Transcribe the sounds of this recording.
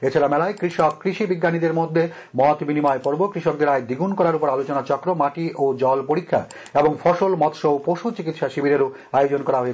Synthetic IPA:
et͡ɕʰaɾamɛlaekɾiʃɔkːɾiʃibiɡːanid̪eɾmod̪ʱːe | mɔt̪binimɔepɔɾbokɾiʃɔk̚d̪eɾaed̪iɡunkɔɾaɾupoɾalot͡ɕonat͡ɕɔkːɾomaʈiʔod͡ʑɔlpoɾikʰːa̰ | eboŋfɔʃolmɔt̪ʃowpoʃut͡ɕikit̪ʃaʃibʱiɾeɾo | ajod͡ʑonkɔɾaɦoe

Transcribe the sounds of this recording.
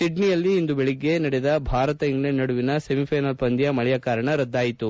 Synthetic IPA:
siɖnijɐlːiːnd̪ubeɭiɡːe̞nɐɽed̪ɐbʱaːɾɐt̪ɐiŋɡɭenːɐɽuʋinɐsemipʰɐjnɐlpɐnd̪ijɐmɐɭɛjɐkaːɾɐɳɐɾɐd̪ːaːjit̪u

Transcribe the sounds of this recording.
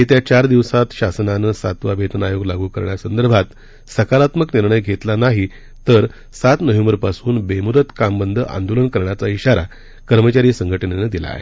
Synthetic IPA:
ɦet̪jat͡ɕaɾd̪iʋsat̪ɕasnanəsat̪ʋabʱet̪ənajoɡlaɡʱuːkəɾɳjasənd̪əɾbʱat̪ | səkaɾat̪məkniɾɳəjɡʱet̪lanaɦi | t̪əɾ | sat̪nəʋembəɾpasuːnbemud̪ət̪kambənd̪ʱəʔa̰nd̪olənkəɾɳjat͡saiɕaɾa̰ | kəɾmət͡ɕaɾiːsəŋɡʱəʈənenəd̪ila̰ːɦḛ

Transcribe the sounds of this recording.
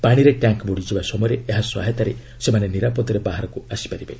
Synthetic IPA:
paɽ̃iɾeʈaŋkboɽid͡ʒʰibasɔmɔjɾeeɦaswa̰ɦet̪aɾe | semaneniɾapɔt̪ɔɾebaɦaɾɔkuasi̥paɾibe

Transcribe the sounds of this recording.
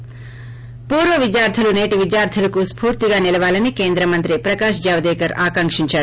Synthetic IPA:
puːɾʋɐʋid̪jaːɾt̪ʰulune̞ːʈiʋidjaːɾt̪ʰulɐkuspuːɾt̪iɡaːnilɐʋaːlɐnikeːnd̪ɾɐmɐnt̪ɾipɾɐkaːʂd͡ʒaːʋɐd̪ɛːkɐɾaːkɐŋkʂiɲt͡ʃaːɽu

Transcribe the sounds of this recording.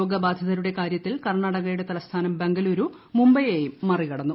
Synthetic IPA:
oːɡɐbaːd̪ʱɐðɐɾuɽe̞kaːɾjɐt̪ːilkɐrɳaːɽɐɣɐjuɽe̞t̪ɐlɐst̪ʰaːnɐmbe̞ŋɡɐluːɾu | mumbɐjejumːɐrikɐɽɐnːu

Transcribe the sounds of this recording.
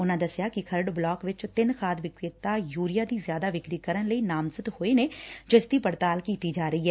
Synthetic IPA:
ʊnãːd̪əsɪjaːkɪkʰəɾəɖblɔːkʋɪt͡ʃt̪ɪnkʰaːd̪ʋɪkɾɪt̪aːjuːɾɪjaːd̪iːzjaːd̪aːʋɪkɾiːkəɾənləiːnaːmzət̪hoːeːneːd͡ʒəst̪iːpəɾt̪aːlkiːt̪iːd͡ʒaːɾəiːɦɛː

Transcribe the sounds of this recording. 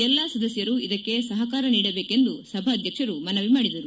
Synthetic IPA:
ɛlːɐsɐd̪ɐsjɐɾuid̪ɐkːe̞sɐɦɐkaːɾɐniːɽɐbe̞ːke̞nd̪usɐbʱaːd̪ʱjɐkʂɐɾumɐnɐʋimaːɽid̪ɐɾu

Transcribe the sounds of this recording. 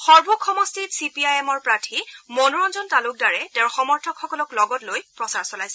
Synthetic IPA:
xɔɹbʱukʰɔmɔstitsipiajɛmɔɹpɹatʰimɔnuɹɔnzɔntalʊk̚daɹɛtɛʊɹxɔmɔɹtʰɔkxɔkɔlɔklɔɡɔtlojpɹɔsaɹsɔlajsɛ

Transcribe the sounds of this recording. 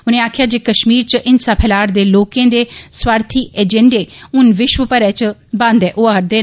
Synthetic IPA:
ʊnẽːaːkʰɪjaːd͡ʒeːkəʃmiːɾt͡ʃəʔɪnsaːpʰɛːlaːɾd̪eːloːkẽːd̪eːswaːɾt̪ʰiːʔeːd͡ʒɛ̃ɳɖeːʊnʋɪʃʋəpəɾɛːt͡ʃbãnd̪ɛːʔoːaːɾd̪eː

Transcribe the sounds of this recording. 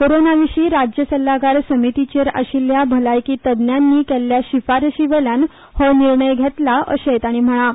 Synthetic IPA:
koɾonaʋiɕiːɾad͡ʑjəsəlːaɡaɾsəmit̪it͡ɕeɾə̰ɕiljabʱəlajkiːt̪əd̪njanːiːkɛlːjaɕifaɾəɕiʋɛɭjan | hɔniɾɳəjɡʱɛt̪laʔə̰ɕet̪aɽ̃im̤əɭ̃a

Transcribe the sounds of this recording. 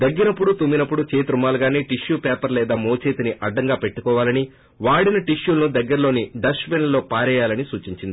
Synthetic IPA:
d̪ɐɡːinɐpːuɽut̪umːinɐpːuɽut͡ʃeːt̪ɾumaːlɡaːneːʈiʃjuːpɛːpɐɾlɛːd̪aːmoːt͡ʃe̞ːt̪iniʔɐɖːɐŋɡaːpe̞ʈːukɔːʋaːlɐni | ʋaːɽinɐʈiʃjuːlɐnud̪ɐɡːɐɾɐlo̞ːniɖɐsʋenlɐlo̞ːpaːɾɛːjaːlɐnisuːt͡ʃiɲt͡ʃind̪i

